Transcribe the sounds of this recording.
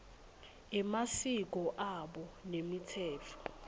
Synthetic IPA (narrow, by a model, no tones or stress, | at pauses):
ɛmasik̬ɔʔaɓɔnemitʰɛːtʰɔ̥